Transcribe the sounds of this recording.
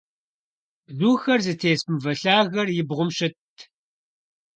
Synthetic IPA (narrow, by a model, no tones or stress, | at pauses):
zuːxɐrzɨtʰeːsmɨvɐɬaːɣɐrjɪbʁʷʊmɕɪtʰ